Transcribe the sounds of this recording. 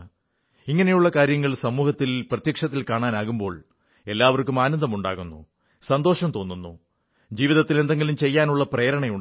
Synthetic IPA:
iŋːɐne̞juɭːɐkaːɾjɐŋːɐɭsɐmuːhɐt̪ːilprɐt̪jɐkʂɐt̪ːilkaːɳaːnaːɣumbo̞ːɭ | e̞lːaːʋɐrkumaːnɐnd̪ɐmuɳɖa̰ːɣunːṵ | sɐnd̪o̞ːʂɐmt̪o̞ːnːunːu | d͡ʑiːʋiðɐt̪ːile̞nd̪eŋɡilumt͡ɕe̞jːaːnuɭːɐpreːɾɐɳɐjuɳ

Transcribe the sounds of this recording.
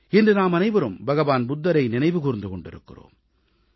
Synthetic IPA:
ɛndrɯnaːmɐnɐɪʋɐɾɯmbɐɣɐʋaːnbʊd̪ːɐɾɐɪnɪnɐɪʋɯkuːɾɪnd̪ɯkɔɳɖɪɾɯkːɪ̰ro̰ːm

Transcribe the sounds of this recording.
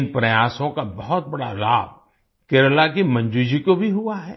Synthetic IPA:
npɾɐjaːsõkabɐɦɔt̪̚bɐɽa̰laːb̚ʱ | keːɾlak̬imɐ̃ɲd͡ʒud͡ʒikobʱiɦʊaɦɛː

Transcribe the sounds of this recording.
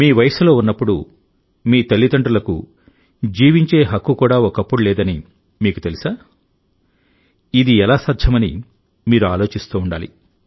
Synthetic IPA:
miːʋɐjɐsulo̞ːunːɐpːuɽu | miːt̪ɐlːit̪ɐɳʈɐlɐkṵ | d͡ʒiːʋiɲt͡ʃe̞ːɦɐkːukuːɽaːɔkɐpːuɽulɛːd̪ɐni | miːkut̪e̞lisaː | id̪iɛlaːsaːd̪ʱjɐmɐnḭ | miːɾuaːlo̞ːt͡ʃist̪uːuɳɖaːlḭ

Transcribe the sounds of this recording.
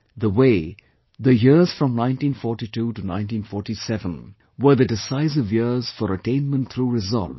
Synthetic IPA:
ðəweɪ | ðəjɪɹz̥fɾɔ̃mnãɪ̃ntĩnfɔːɹʈituːʈunãɪ̃ntĩːnfɔːɹʈisɛvə̃n | wə˞ðədɪsaɪsɪvjɪɹz̥fəɾəʈẽɪ̃nmə̃nt̪ʰɾuɾɪzɔ̰lv

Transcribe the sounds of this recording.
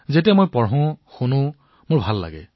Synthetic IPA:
zetijɛmojpɔɹɦʊ̃xunʊ̃ | mʊɹbʱalːa̰ɡɛ̰

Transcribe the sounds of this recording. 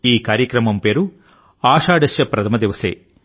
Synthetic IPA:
iːkaːɾjɐkɾɐmɐmpeːɾu | aːʂaːɖɐʃjɐpɾɐt̪ʰɐmɐd̪iʋɐsḛː

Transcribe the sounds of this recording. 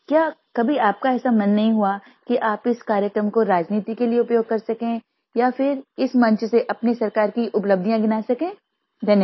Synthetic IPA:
kjaːkɐbʱiaːp̚kaɛːsamɐnːɐɦĩɦua | kiʔaːpɪskaːɾjəkɾəmkoɾaːd͡ʒniːt̪ikelieʊpjoːɡ̚kɐɾsɐkẽː | jafɪɾɪsmɐ̃ɲt͡ʃseʔɐpnesɐɾkaːɾkiʔʊpləb̚d̪ʱijãɡɪnaːsɐkẽː | d̪ɐnj

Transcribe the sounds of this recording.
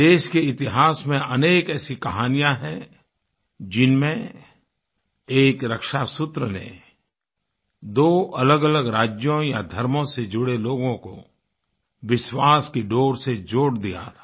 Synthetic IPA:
d̪eːʃkeɪt̪ɪɦaːsmẽɐneːkɛːsikɐɦaːnijãɦɛ̃ | d͡ʒɪnmẽ | eːkɾɐkʃasʊt̪ɾənḛ | d̪oːʔɐləɡələɡɾaːd͡ʒjõjad̪ʱɐɾmõsed͡ʒʊɽeloːɡõko̰ | ʋɪʃwaːskiɖoːɾsed͡ʒoːɽd̪ija̰t̪ʰḁ

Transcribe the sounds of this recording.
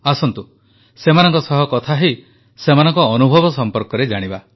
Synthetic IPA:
asɔnt̪u | semanɔŋkɔsɔɦɔkɔt̪ʰaɦi | semanɔŋkɔːnubʱɔbɔsɔmpɔɾkɔɾed͡ʒaɽ̃iba

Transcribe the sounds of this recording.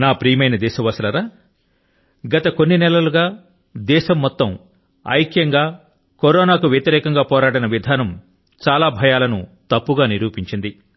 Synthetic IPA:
naːpɾiːmɐjnɐd̪ɛːʃɐʋɐsɐlɐɾaː | ɡɐt̪ɐko̞nːinɛlɐluɡaː | d̪ɛːʃɐmːɔt̪ːɐm | ɐ̰jkjɐŋɡaː | koɾɔːnaːkuʋjet̪iɾɛːkɐŋɡaːpɔːɾaːɽɐnɐʋid̪ʱaːnɐm | t͡ʃaːlaːbʱɐjaːlɐnut̪ɐpːuɡaːniɾuːpiɲt͡ʃind̪i

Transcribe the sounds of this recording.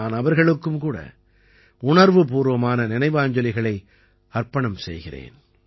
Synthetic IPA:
aːnɐʋɐɾɣɐɭɯkːɯmkuːɽɐ̰ | ʊɳɐɾʋɯpuːɾʋɐmaːnɐnɪnɐɪʋɯaːɲd͡ʒɐlɪɣɐɭɐɪ | ɐɾpɐɳɐmsɛ̰jɣɪrḛːn

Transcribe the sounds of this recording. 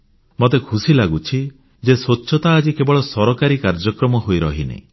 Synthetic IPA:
mot̪ekʰusilaɡut͡ʃʰi | d͡ʒeswotːʃʰɔt̪aːd͡ʒikebɔɭɔsɔɾɔkaɾikaɾd͡ʒɔkɾɔmɔɦojɾɔɦinḛ

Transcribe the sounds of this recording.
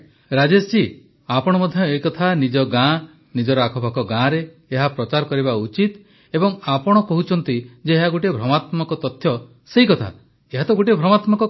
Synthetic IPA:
ɾad͡ʒest͡ʃi | apɔɽ̃ɔmɔd̪ʱjɔejkɔt̪ʰanid͡ʒɔɡã | nid͡ʒɔɾɔakʰɔbakɔɡãɾeː | ɦapɾɔt͡ʃaɾɔkɔɾibaut͡ʃit̪ | ebɔŋapɔɽ̃ɔkɔɦut͡ʃʰɔnt̪id͡ʒeeɦaɡuʈebʱɾɔmat̪mɔkɔt̪ɔt̪ʰjɔ | sejkɔt̪ʰa̰ | eɦat̪ɔɡuʈ̬iebʱɾɔmat̪mɔkɔ

